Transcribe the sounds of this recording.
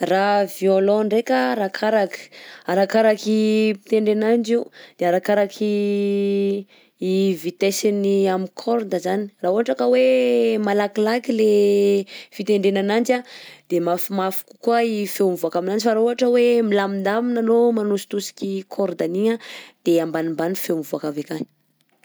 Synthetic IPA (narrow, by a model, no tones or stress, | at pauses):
ravjolõɳɖ͡ʐekaɾakʰaɾaki̥aɾakaɾakipi̥t̪eɳɖ͡ʐenand͡ʒiud̪̥eaɾakaɾakʰi | vit̪esiniamikʰoɾd̪əzani̥raːuɦaʈ͡ʂakəwemalakilakile | fit̪eɳɖ͡ʐenanand͡ʒad̪̥emafumafu̥ku̥kuaifeumivuakaminand͡ʒifaɾauɦaʈ͡ʂəwemilamind̪aminanomanusi̥t̪usi̥kʲikʰoɾd̪aniad̪̥eambanimbanifemivuakavekani̥